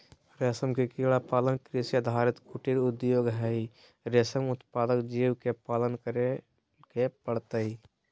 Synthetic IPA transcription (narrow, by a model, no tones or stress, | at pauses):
ɾesəmkekiːɽapaːlənkɾisjəd̪ʱaːɾɪt̪kʊʈiɾʊd̪joːɡɦɛi | ɾeːsəmʊt̪paːd̪əkd͡ʒiːwkepaːlənkəɾe | kepəɽt̪əɦi